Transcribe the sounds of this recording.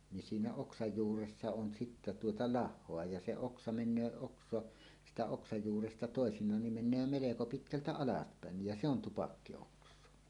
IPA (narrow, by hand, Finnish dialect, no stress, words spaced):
ni siːnæ oksɑj juːresːɑ on sitːæ tuotɑ lɑhˑoɑ jɑ se oksɑ menˑøː oksˑoɑ sitæ oksɑj juːrestɑ toˑesinˑɑːn nim menˑøː meleko pitkæltæ ɑlɑspæˑenːij jæ se on tupɑkːioksˑoɑ